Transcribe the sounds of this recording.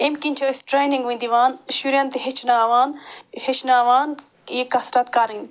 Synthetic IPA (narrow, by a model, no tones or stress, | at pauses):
emkint͡ʃʰɐsʈɾejniŋɡʋĩnd̪iʋaːnʃuɾjant̪iɦet͡ʃʰnaʋaːnhet͡ʃʰnaːʋaːnjekɐsɾɐt̪kaːɾin